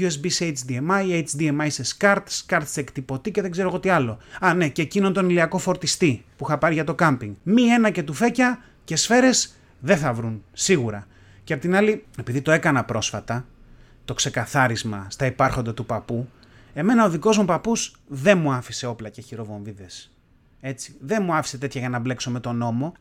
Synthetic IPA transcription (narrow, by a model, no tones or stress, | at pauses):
uezbisejt͡ʃd̪iemɐejt͡ʃd̪iemɐiseskɐɾt̪skɐɾt̪sekt̪ipo̞t̪ice̞ðe̞ɡze̞ɾoɣo̞t̪iɐlo̞ɐne̞cecinont̪o̞niliɐkofo̞ɾt̪ist̪ipuixɐpɐɾiʝɐt̪o̞kɐmpiŋɡmie̞nɐce̞t̪ufe̞cɐ | ce̞sfe̞ɾe̞s | ðe̞θɐvɾunsiɣuɾɐ | ceɐpot̪inɐlie̞piðit̪o̞e̞kɐnɐpɾo̞sfɐt̪ɐ | t̪o̞kse̞kɐθɐɾizmɐst̪ɐipɐɾxo̞nd̪ɐt̪upɐpu | e̞me̞nɐoðiko̞zmupɐpus | ðe̞muɐfise̞o̞plɐce̞çiɾo̞vo̞ɱviðe̞s | e̞t͡si̥ðe̞nmuɐfi̥se̞t̪e̞t̪çɐʝɐnɐble̞kso̞me̞t̪o̞no̞mo̞